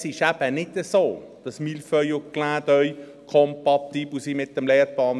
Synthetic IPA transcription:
sɪʃæb̥ənɪd̪əsoːd̪̥ɑsmilfœjoklæːd̪œʏ | kʰɔmpɑt̪iːbl̩simɪt̪ːəmlɛːɾpɑːn

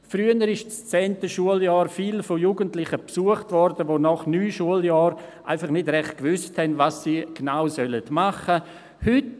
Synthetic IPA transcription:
fɾyənəɾɪʃt͡st͡sɛːntəʃuəljɑːɾfiːlfojuɡəntlɪχəpsuəχtvɔɾdəʋonɔχnyːʃuəljɑːɾʔa̰ɪfɑχnɪdɾɛχt̚kvʏsthɛnvasːiːɡ̥naʊsœlədmaχə | hʏt

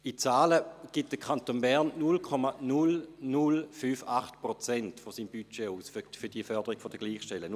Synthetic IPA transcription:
it͡saːləɡ̥it̚d̥əkʰχantonbɛʁnnulkʰɔmanulnulfyːfaχtpʁot͡sɛntfosiːmbyt͡ʃeuːsffyɐd̥iəfœɐd̥əʁiɡ̥fod̥əɡ̥liːχʃtɛlən

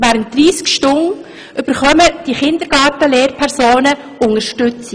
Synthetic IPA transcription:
ʋæːɾənt̚dɾiːskʃtʊŋ | ʔʏb̥əɾχœməd̥iχɪnd̪əɾɡɑːtəleːɾpʰɛɾsoːnə | ʊŋəɾʃtʏt͡si

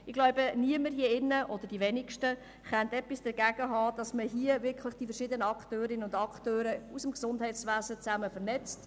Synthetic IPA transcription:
ɪɡ̥lɔwbəniəməɾjeɪnːəʔɔd̪əɾd̥iʋɛnɪkʃtə | χɛntɛpisd̥əɾɡ̥æɡ̥əɦɑːd̥ɑsməɦiəvɪkχləχd̥ifəɾʃɪd̪ənəɑkχtøːɾɪnəʊndɑktøːɾəusəmksʊndɦɛɪtsʋæːzət͡sæməfəɾnɛt͡st

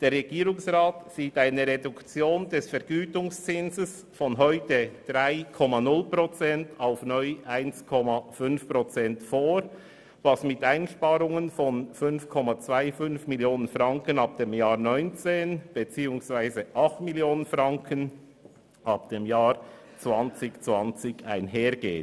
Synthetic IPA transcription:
d̥eːɾʁɛɡ̥iːɾʊŋsʁaːtsiːtaɪnəɾedʊkt͡sjoːndɛsfɛɾɡ̥yːtʊŋst͡sɪnzəs | fɔnɦɔʏtəd̥ʁaɪkʰɔmanʊlpʁɔt͡sɛntaʊfnɔʏʔaɪnskʰɔmafʏnfpʁot͡sɛntfoːɾ | vɑsmɪtaɪnʃpaːɾʊŋənfɔnfʏnfkʰɔmat͡svaɪfʏnfmiljoːnənfʁɑŋkənɑp̚d̥emjaːɾnɔʏnt͡seːnb̥et͡siːʊŋsv̥aɪzəʔɑχtmiljoːnənfʁɑŋkʰən | ʔɑpd̥emjaːɹ | t͡svɑnt͡sɪçt͡svɑnt͡sɪçaɪnɦeːɾɡ̥ḛːt

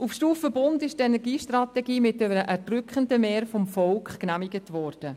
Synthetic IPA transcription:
ufʃtuːfəbʊndɪʃtenɛɾɡiːʃtrɑtɛɡiːmɪt̚deəʔɛɾdrʏkχəndəmeːɾfɔmfɔlkχknæmɪɡətʋɔɾd̥ə

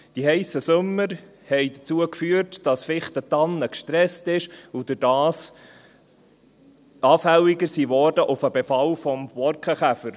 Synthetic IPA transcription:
d̥ihɛɪsəsʊmːəɾ | hɛɪjdət͡suəkfyəɾtd̥ɑsfɪχtət̪ɑnːəkʃtɾɛstɪʃʊd̥̪ɪdɑːs | ɑːfæliɡəɾsiːʋɔɾdəʔʊfəbefɑlfɔmvɔɾkχəχæfəɾ

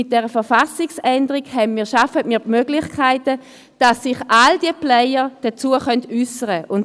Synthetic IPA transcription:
ɪt̚d̥ɛːʁəfɛɐʁfasɪksɛndəʁiɡhɛbnmiːɐʃafətmiːmøːɡlɪχkʰaɪtə | d̥asːɪχʔald̥iəplɛjəʁd̥ət͡suːəχœntysəʁəʔʊn

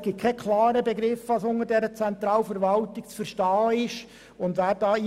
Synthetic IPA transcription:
ɡ̥ɪt̪̚kʰɛkʰlɑːɾəbɛɡɾɪfɑsʊŋəɾdɛɾət͡sɛnt̪ɾɑːlfəɾʋɑlt̪ɪk̚t͡sfəɾʃtɑːɪʃ | ʊnd̪ʋæːɾd̥ɑːi

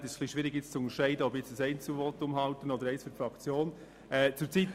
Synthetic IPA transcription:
tɪʃχliʃʋɪːɾɪɡ̥jɪt͡st͡suʊnəʃæɪdəɔbɪt͡sdəsɛɪnt͡suvɔt̪ʊmɦɑltənɔdəɾɛɪsfyɾfʁɑkt͡sjoːn | ɛːt͡suːɾt͡sit

